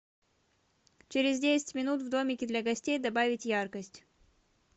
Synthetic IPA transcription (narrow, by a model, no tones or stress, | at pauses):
t͡ɕɪɾʲɪzdʲesʲɪ̥tʲmʲɪnut̪vd̪o̞mʲɪkʲɪd̪lʲɐɡɐsʲtʲejd̪ɐbavʲɪtʲjarkəsʲtʲ